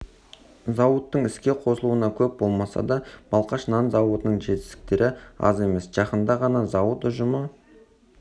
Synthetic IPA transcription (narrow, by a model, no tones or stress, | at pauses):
zɑwət̪ːəɴɪskʲe̞qʰo̞səlˠuənɑkʲʰɵp̚bo̞lˠmɑsɑ̰d̪ɑb̥ɑlˠqɑʃnɑnzɑwət̪ənəɴʒe̞t̪ɪst̪ɪkt̪e̞ɾʔɪɑ̰ze̞me̞sʒ̥ɑqənd̪ɑʁɑnɑzɑwət̪ʊʒəmə